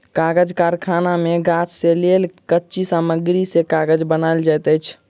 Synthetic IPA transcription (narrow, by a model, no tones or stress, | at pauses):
kaɡəd͡ʒkaɾkʰanameɡat͡ʃselelkətːʃisaməɡɾisekaɡəd͡ʒbənajld͡ʒajt̪əjt͡ʃʰ